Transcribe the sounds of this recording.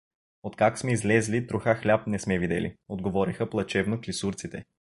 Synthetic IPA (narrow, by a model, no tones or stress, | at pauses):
ot̪kaksmɛizlɛzlit̪ɾʊxaxlʲap̚nɛsmɛvid̪ɛ̰lḭod̪ɡovɔɾixəplˠɐt͡ʃɛvnoklisuɾt̪sit̪ɛ